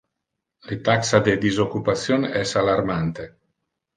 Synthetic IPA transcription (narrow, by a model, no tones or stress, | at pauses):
let̪aksad̪ed̪izokːupasjonɛsalaɾmant̪e